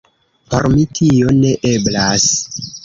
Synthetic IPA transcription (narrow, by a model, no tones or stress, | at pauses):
po̞̰ɾmitʰio̞ne̞ʔe̞blas